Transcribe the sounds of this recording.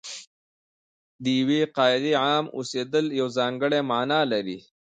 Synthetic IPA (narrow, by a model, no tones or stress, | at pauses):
d̪əjiwiqɑːɪd̪iʕamṵsed̪əljawzɑːŋɡəɽemaːnɑlaɾi